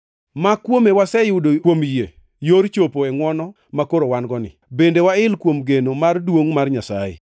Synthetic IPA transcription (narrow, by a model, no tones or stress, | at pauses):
makwomewasɛjʊdokwomje | joɾt͡ʃopoɛŋwɔnɔ | makoɾowanɡɔnɪ̰bendewaɪlkwomɡenomardwoŋmarɲasaɪ̰